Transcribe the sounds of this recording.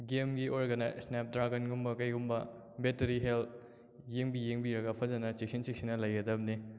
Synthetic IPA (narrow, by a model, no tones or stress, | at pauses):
ɡemɡiʔoɾɡɐnasnep̚dɾaɡɐnɡumbɐkɐjɡumbɐ | beteɾiɦelt̚ | jeŋbijeŋbiɾɐɡɐpʰɐzɐnɐt͡ʃik̚sinsiksinɐlɐjɡɐdɐb̚ni